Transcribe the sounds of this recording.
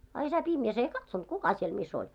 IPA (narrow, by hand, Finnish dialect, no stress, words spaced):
ɑ isæ pimjæs ei kɑtsont kukɑ siel mis olʲ